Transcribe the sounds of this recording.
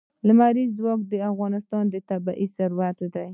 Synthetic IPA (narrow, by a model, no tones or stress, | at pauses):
ləmaɾizwɑk̚d̪əafɣɑnɪst̪ɑnd̪ət̪abaʔisaɾuwat̪d̪aj